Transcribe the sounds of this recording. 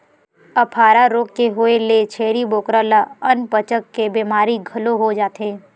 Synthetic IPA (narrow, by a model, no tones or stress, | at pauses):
ɐpʰaːɾaɾoːkːeɦʊelet͡ʃʰeːɾiboːkɾalaɐnpət͡ʃəkːebeːmaːɾiɡʱɐloɦod͡ʒaːt̪ɦẽː